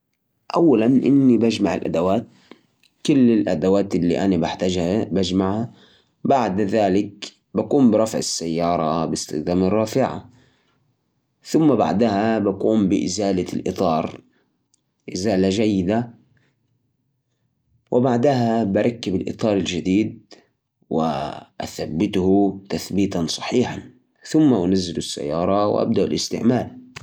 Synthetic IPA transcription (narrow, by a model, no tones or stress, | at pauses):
ʔawːalanʔɪnːibad͡ʒmaʕɪ̰lʔa̰d̪awaːt̪̚ | kʊlːɪlʔad̪awaːt̪ʔɪlːḭʔanabaħt̪ad͡ʒhabad͡ʒmaʕha | baʕd̪ðaːlɪk | bakuːmbɪɾˤɑfʕɪ̰sːajːɑːɾˤɑbɪst̪ɪxd̪aːmɪrˤːɑːfɪʕa̰ | θʊmːaba̰ʕd̪ahabakuːmbɪʔɪzaːlalʔɨ̰t̪ˤɑːɾˤ | ʔɪzaːlaʒajːɪd̪a | wʔɪbaʕd̪aɦabaɾˤɑkːɪbɪlʔɨ̰t̪ˤɑːɾˤɪld͡ʒad̪iːd̪̚ | wɪ̰ʔa̰θabːɪt̪hʊt̪aθbiːt̪ansˤɑ̥ħiːħan | θʊmːaʔanazːɪlʊsːa̰jːɑːɾˤɑw̰ʔa̰b̚d̪aʔʊlɪst̪ɪ̰ʕmaːl